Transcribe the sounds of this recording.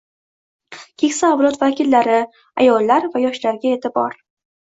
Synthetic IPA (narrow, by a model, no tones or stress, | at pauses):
kʲʰe̞kʲsaːvlˠɒt̪vakʲɪlːaɾɪ | a̰jɒlˠːaɾvajɒʃlaɾɡʲaet̪ʰɪbɒ̰ɾ